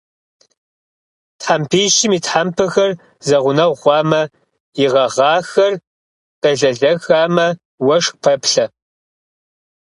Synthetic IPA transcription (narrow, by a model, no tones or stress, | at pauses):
tħampʰiːʃɪmiːtħampʰɨxɐr | zɐʁʷʊnɐʁʁʷɑːmɐ | jɪʁɐʁɑːxɐr | d̥ɐɮɐɮɐxaːmɐ | wɐʂpʰɐpɬɐ